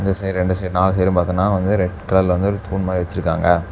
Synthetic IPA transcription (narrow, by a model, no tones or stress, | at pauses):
ŋɡ̪ɐsejɾɾɛɳɖɯsejɾnaːlsejɾɯmpaːɾt̪ɯnaːʋɐnd̪ɯɾɛʈkɐɭɐlʋɐnd̪ɯɾɯt̪ʰuːnmaːɾiʋɐt͡ʃːɪɾɯkːaːŋɡɐ